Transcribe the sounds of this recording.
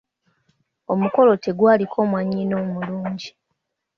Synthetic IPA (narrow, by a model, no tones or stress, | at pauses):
o̞muko̞lo̞te̞ɡwaːlikʰo̞ːmwaːɲino̞ːmuluːɲɟi